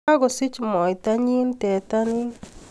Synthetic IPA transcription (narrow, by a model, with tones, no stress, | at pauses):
a˦ɡɔ˨sɪ˦t͡ʃmɔ˨ɪ˨ta˦ɲi˦ntɛ˨ta˦nɪ˦